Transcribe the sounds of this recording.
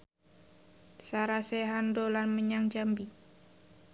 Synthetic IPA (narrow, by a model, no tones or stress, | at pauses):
saɾasɛɦandolanməɲaŋd͡ʒambi